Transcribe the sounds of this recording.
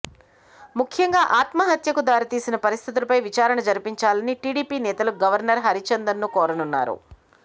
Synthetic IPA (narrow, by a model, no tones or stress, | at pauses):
mukʰjɐŋɡaːʔaːt̪mɐɦɐt̪jɐkud̪aːɾit̪iːsinɐpɐɾist̪ʰit̪̬ulɐpɐjʋit͡ʃaːɾɐnɐd͡ʒɐɾpiɲt͡ʃaːlɐniʈiːɽiːpiːnɛːt̪ɐluɡɐʋɐɾnɐɾɦɐɾit͡ʃɐnd̪ɐnːukɔːɾɐnunːa̰ːɾṵ